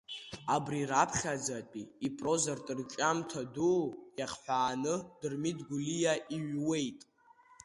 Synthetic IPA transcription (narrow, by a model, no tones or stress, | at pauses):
abriɾapʰχʲad͡zatʼiːpʼro̞zartʼɨrt͡ʃʼamtʰadujaχħʷᶣaːnɨdɨrmidɡʷulijaʔiɥwe̞jtʼ